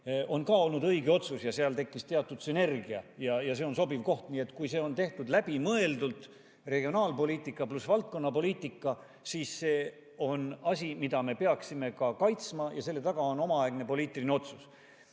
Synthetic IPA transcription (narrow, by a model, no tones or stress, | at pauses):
ʔo̞nkɑːo̞lnud̪ɤjɡeo̞t̪susjɑseɑlt̪e̞kːist̪eɑt̪ːˑud̪syne̞rɡiɑjɑjɑse̞onso̞bivko̞ht̪niːe̞t̪ːˑkujse̞ːo̞nt̪e̞ht̪ud̪læb̥imɤe̞ld̪ult̪ | re̞ɡio̞nɑːlpo̞liːt̪ˑikːˑɑplusvɑlt̪̚ko̞nːɑpo̞liːt̪ˑikːˑɑ | siːse̞ː | o̞nɑsʲimid̪̥ɑme̞pe̞ɑksime̞kɑkɑjt̪smɑjɑse̞lːe̞t̪ɑɡ̥ɑo̞no̞mɑɑeɡnepo̞liːt̪ːˑilineo̞t̪sus